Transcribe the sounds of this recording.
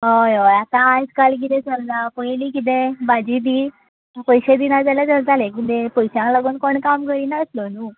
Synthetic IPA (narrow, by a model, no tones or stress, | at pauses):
ɦəjoat̪ãːjskalik̬it̪ẽsəld̪apəjlikit̪̬ẽbad͡ʑid̪iː | pəjɕed̪inad͡zalad͡zəld͡zalekid̪epəjɕjãŋkləɡuːnkoɳkamkəɾiːnaəslonuː